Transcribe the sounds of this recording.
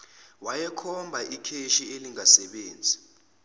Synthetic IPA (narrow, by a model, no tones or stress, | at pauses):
wajɛkʰɔmbʱaʔikʰeʃieliŋasɛɓeːnd͡zʱi